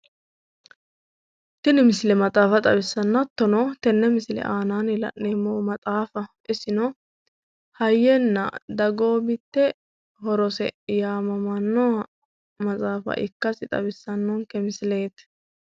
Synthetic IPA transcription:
t̪ɪnɪmɪsɪlɛmɐt̪ʼaːfɐt̪ʼɐbɪsːɐnːɐt̪ːɔnɔt̪ɛnːɛmɪslɛ̰ʔaːnaːnɪlɐ̰nːeːmːomɐt̪ʼaːfɐʔɪsɪnɔ | hɐjːɛnːɐ̰d̪ɐɡo̞ːbɪt̪ːɛ | hɔɾɔsɛ̰jaːmɐmɐnːɔɐ | mɐt͡sʼaːfɐ̰ʔɪkːɐsɪt̪ʼɐ̰bɪsːɐnːɔŋkɛmɪsɪle̞ːt̪

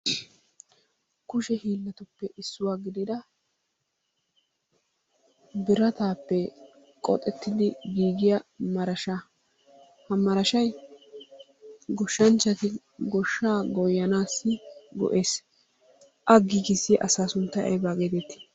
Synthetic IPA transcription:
kʊʃɛhiːlːɐt̪ʊpːɛʔɪsːʊwaːɡɪd̪ɪd̪ɐ | bɪɾɐt̪aːpːɛ | kʼɔ̰t̪ʼɛt̪ːɪd̪ɪɡiːɡɪjɐmɐɾɐʃa | hɐmɐɾɐʃɐj | ɡɔʃːɐnt͡ʃːɐt̪ɪ | ɡɔʃːaːɡɔjːɐnaːsːɪɡɔ̰ʔeːs | ʔɐɡiːɡɪsːɪʔɐsaːsʊnt̪ːɐʔɛ̰baɡed̪ɛt̪ːɪ̥

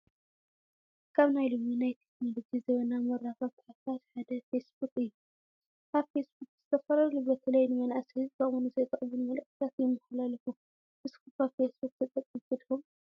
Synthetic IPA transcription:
kʰaβnajlominajt̪ʰeknolo̞d͡ʒizɐβɐnamɐɾːaxɐβt̪ʰħat̪ʰat̪ħad̪ɐfesbukʼɨjːu | kʰaβfesbuk̚ʼz̥ɨt̪ʰɐfɐɾɐɾlɨβɾɐt̪ʰɨlɐjnɨmɐnʔasihɨzbawunɨzɐjkʼɐʔβunmɐlɐkːɨt̪ʰat̪jɛmɐħlalɐfu | ʔɨskɨkʰaβfesbuk̚ʼt̪ʰɐt̪ʼːɐkʼːɨɡɨd̪xum

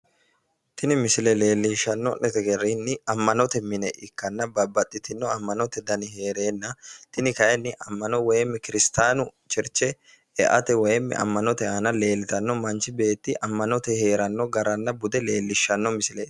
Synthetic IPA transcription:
t̪ʰɪnɪmɪsɪlɛle̞ːlːiːʃːɐnːɔnɛt̪ɛɡɛrːinːɪɐmːɐnɔt̪ɛmɪnɛʔɪkːɐnːɐbɐbɐt̪ʼːɪt̪ɪnːɔɐmːɐnɔt̪ɛd̪ɐnɪɦe̞ːɾe̞ːnːɐt̪ɪnɪkɐjɛnːɪʔɐmːɐnɔwɔjɛmːɛkɪɾɪst̪aːnʊt͡ʃɪɾt͡ʃːɛ | ɛ̰ʔɐ̰t̪ɛwɔjɛmːɛ̰ʔɐ̰mːɐnɔt̪ɛɐːnɐle̞ːlːɪt̪ɐnːɔmɐnt͡ʃɪbe̞ːt̪ːɪʔɐmːɐnɔt̪ɛhe̞ːɾɐnːɔɡɐɾɐnːɐbʊd̪ɛle̞ːlːɪʃːɐnːɔmɪsɪlɛ

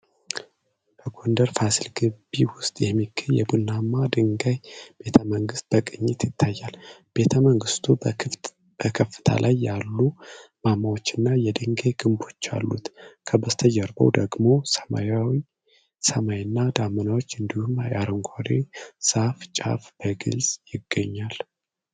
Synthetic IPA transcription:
bʰəɡo̞nd̪əɾfasilɡɨbːiwʊst̪ʼjɛmːikʰːɨljɛ̰bulnːamːad̪ɨŋɡajb̥e̞t̪ʰəməŋɡɨst̪̚b̥əkʼɨɲːɪt̪jɪt̪ʰːajːalb̥e̞t̪ʰəməŋɡɨst̪ʰu | b̥əkʰəfːɨ̥t̪ʰa̰lʔajːalːumamːawo̞t͡ʃːɨnːajɛd̪ɨŋɡajɡɨmbo̞t͡ʃːa̰lːṵt̪kʰəbəst̪ʰəd͡ʒɛɾbə̰wd̪əɡmo̞sma̰jawi | səmajnːad̪amənawot͡ʃːɨnd̪ihumajaɾəŋɡʷʰaɾesaft͡ʃʼa̰fb̥əɡɨ̰lzʼjɪɡːəɲːal

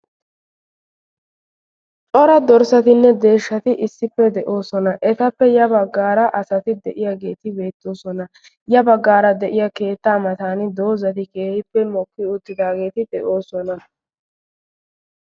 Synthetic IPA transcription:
t͡ʃʼɔɾɐd̪ɔɾsɐt̪ɪnːɛd̪e̞ːʃːɐt̪ɪʔɪsːɪpːɛd̪ɛʔo̞ːsɔnɐʔɛt̪ɐpːɛjɐbɐɡːaːɾɐʔɐsɐt̪ɪd̪ɛʔɪjaːɡe̞ːt̪ɪbe̞ːt̪ːo̞ːsɔnɐ | jɐbɐɡːaːɾɐd̪ɛʔɪjɐke̞ːt̪ːamɐt̪aːnɪd̪o̞ːzɐt̪ɪkeːhɪpːɛmɔkːɪʊt̪ːɪd̪aːɡe̞ːt̪ɪd̪ɛʔo̞ːsɔnɐ

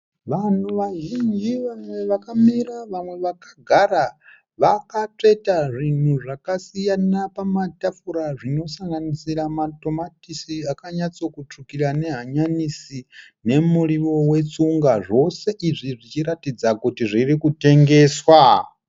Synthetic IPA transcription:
ʋan̤uʋaʒind͡ʒiʋamwe̞ʋakamiɾaʋamwe̞ʋakaɡʱaɾa | ʋakat͡ʂe̞taʐin̤uʐakasijanapamatafuɾaʐino̞saŋɡanisiɾamato̞matisiakaɲat͡so̞kut͡ʂukiɾane̞ɦaɲanisi | ne̞muriʋo̞we̞t͡suŋɡaʐo̞se̞ʔiʐiʐit͡ʃiɾatid͡zakutiʐirikute̞ŋɡe̞ːswa

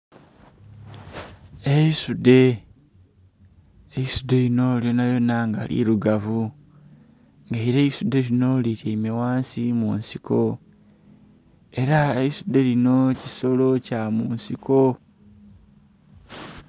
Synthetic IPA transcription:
eisude̞ | eisud̪e̞ino̞ljonajo̞naŋɡa̰lḭɾuɡavu | ŋɡaiɾe̞isude̞lino̞liɾeimewaːnsimuːnsiko̞ | e̞ɾaeisude̞lino̞ciso̞lo̞camuːnsiko̞

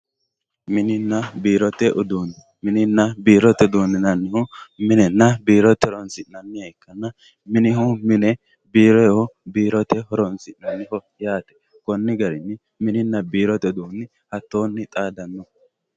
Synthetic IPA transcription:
mɪnɪnːɐbiːɾɔt̪ːɛʔʊd̪uːnɪ | mɪnɪnːɐbiːɾɔt̪ːɛd̪uːnːɪnɐnːɪhʊmɪnɛnːɐbiːɾɔt̪ːɛɾɔnsɪnɐnːɪjɐɪkːɐnːɐ | mɪnɪhʊmɪnɛ | biːɾɔhɔbiːɾɔt̪ɛɦɔɾɔnsɪʔnɐnːɪhɔjaːt̪ɛ̥ | kɔnːɪɡɐɾɪnːɪ | mɪnɪnːɐbiːɾɔt̪ɛd̪uːnːɪ | hɐt̪ːo̞ːnːɪt̪ʼaːd̪ɐnːɔ

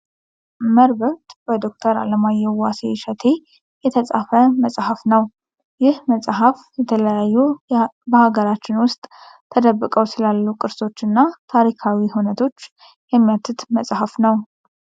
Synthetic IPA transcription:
məɾbəɾt̪bəd̪o̞k̚t̪ʰəɾa̰ləmajːɛwaseʃət̪ʰe̞ | jɛt̪ʰəsʼafəməsʼhafnəw | jɪhməsʼɦaf | jɛt̪ʰələjajːubəhaɡəɾat͡ʃːɪnwʊst̪ʼ | t̪ʰːəd̪əbːɨkʼəwsɨlalːukʼɨɾso̞t͡ʃːɨnːat̪ʰaɾikʰawihunət̪ʰo̞t͡ʃː | jɛmːijat̪ʰːɨt̪məsʼhafnəw

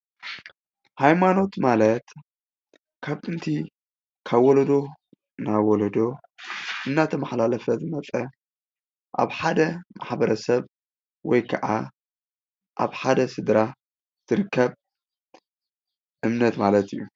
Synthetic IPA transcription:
hajmano̞t̪malɐt̪ | kʰaβɨnt̪ʰi | kʰaβwɔlɐd̪o̞ | nawɔlɐd̪o̞ | ʔɨmnat̪ʰɐmaħlalɐfɐzɨmɐt͡sʼɐ | ʔa̰βħad̪ɐmaħbɐɾɐsɐβ | wɔjkʰɐʔa | ʔa̰βħad̪ɐsɨd̪ɾa | z̥ɨɾɨkʰːɐβ | ʔɨmnɐt̪malɐt̪ɨjːu

